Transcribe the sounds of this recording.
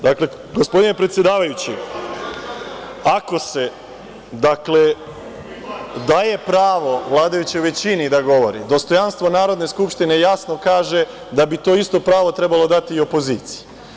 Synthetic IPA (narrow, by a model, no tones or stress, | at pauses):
d̪akle | ɡospo̞d̪inepɾet̪sje̞d̪aːʋajut͡ɕi | ako̞se̞ | d̪akle̞ | d̪aje̞pɾaːʋo̞ʋlˠaːd̪ajut͡ɕeʋe̞t͡ɕinid̪aɡo̞ʋo̞ɾḭd̪o̞st̪o̞janst̪ʋo̞naːɾo̞d̪ne̞skupʃt̪ine̞jasno̞kaːʒe̞ | d̪abit̪o̞ːist̪o̞pɾaːʋo̞t̪ɾe̞balo̞d̪at̪iːo̞po̞ziːt̪si̥je